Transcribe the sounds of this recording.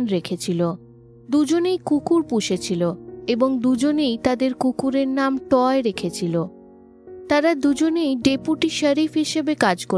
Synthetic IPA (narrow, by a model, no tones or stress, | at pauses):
nɾekʰet͡ɕʰilo | d̪ud͡ʑonejkukuɾpuʃet͡ɕʰiloeboŋd̪ud͡ʑonejt̪ad̪eɾkukuɾeɾnamʈɔeɾekʰet͡ɕʰilo | t̪aɾad̪ud͡ʑonejɖepuʈiʃəɾifɦiʃebekad͡ʑko